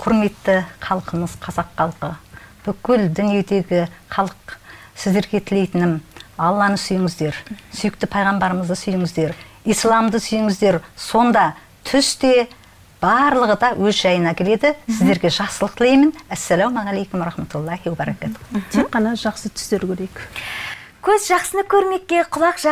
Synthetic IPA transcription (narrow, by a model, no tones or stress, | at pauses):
qʰʊɾme̞t̪ːɪqʰɑlˠqənəz̥qʰɑzɑqːɑlˠqəb̥ʏkʲʏld̪ʏnije̞d̪e̞ɡʲɪχɑlˠəq | sɪzd̪e̞ɾɡʲe̞t̪ʰɪle̞jt̪ɪnɪmɑlˠːɑnəsʏjɪŋɪzd̪e̞ɾsʏjɪk̚t̪ɪpʰɑjʁɑmbɑɾəməzd̪əsʏjɪŋɪzd̪e̞ɾ | ijslˠɑmd̪əsʏjɪŋɪzd̪e̞ɾso̞nd̪ɑ | t̪ʰʏst̪e̞ | b̥ɑɾlˠəʁəd̪ɑwʔɵzʒɑjənɑkʲʰe̞le̞d̪ɪsɪzd̪e̞ɾɡʲe̞ʒɑχsəlˠəqt̪ʰɪlejmɪnæsːælowmɑʁɑlejkʊmɾɑχmæt̪ulˠːɑhiwæbɑɾɑkæt̪t̪ʰeqːɑnɑʒɑqsət̪ʰʏ̥sd̪eɾkʲʰɵɾejk | kʲʰɵzʒɑqsənəkʲʰɵɾme̞kʲːeqʰʊlˠɑqʒ